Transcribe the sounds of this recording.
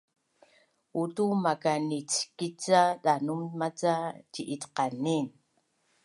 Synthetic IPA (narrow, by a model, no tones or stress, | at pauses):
utumakanit͡skit͡sadanummat͡saciʔitqanin